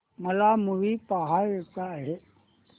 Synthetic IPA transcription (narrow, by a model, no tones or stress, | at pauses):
məlamuʋipaɦaɾekaɦe